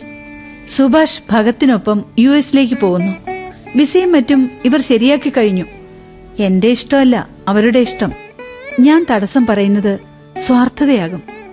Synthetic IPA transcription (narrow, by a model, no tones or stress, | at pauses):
subʱaːʂbʱɐɡɐt̪ːino̞pːɐmjuːesile̞ːk̬ːɨpo̞ːɣunːubisɐjɐmːɐtːumiʋɐrɕɐɾijaːkːikːɐɻiɲːu | e̞nde̞iʂʈɐmɐlːɐ̰ | ɐʋɐɾuɽe̞iʂʈɐmɲaːnt̪ɐɽɐsɐmpɐrɐjunːɐðɨ | swaːrt̪ʰɐðɐjaːɣum